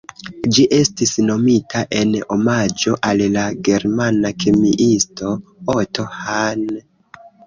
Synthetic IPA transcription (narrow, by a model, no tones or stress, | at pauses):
d͡ʒiʔe̞stisno̞mitaʔe̞no̞mad͡ʒo̞ʔallaɡe̞ɾmanakʰemiʔisto̞oto̞han